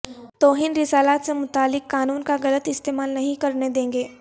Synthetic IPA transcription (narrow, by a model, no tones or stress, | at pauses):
t̪oːɦɪnɾɪsaːlaːt̪semʊt̪aːlːɪkːaːnuːnkaɣɐlət̪ɪst̪eːmaːlnɐɦĩkɐɾned̪ẽːŋɡeː